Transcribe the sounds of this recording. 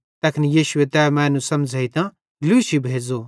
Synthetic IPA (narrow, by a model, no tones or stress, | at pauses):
t̪ɐkʰnijiːʃʊet̪ɛːmɛ̃ːnũsɐmd͡zʱɐit̪ã | luːsibʱeːd͡zo